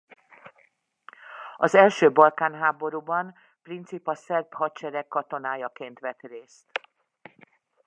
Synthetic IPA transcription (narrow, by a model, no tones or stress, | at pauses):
ɒzɛlʃøːbɒlkaːnɦaːbo̞ɾuːbɒn | print̪sipɒsɛrpɦɒtt͡ʃɛɾɛkːɒt̪o̞naːjɒkeːnt̪ʋɛt̪reːst̪